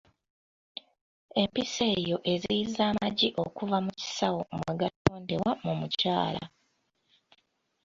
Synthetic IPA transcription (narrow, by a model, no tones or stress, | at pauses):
e̞mpise̞ːjo̞ʔe̞ziizaːmaɟiʔo̞kuvamuci̥sawomweɡatoːndiwamumucaːla̰